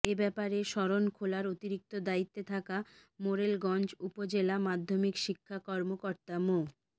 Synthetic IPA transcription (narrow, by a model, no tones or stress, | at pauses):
ebɛpaɾeʃɔɾonkʰolaɾot̪iɾik̚t̪od̪ait̪ːet̪ʰakamoɾelɡɔnd͡ʑupod͡ʑelamad̪ʱːomikʃikʰːakɔɾmokoɾt̪amo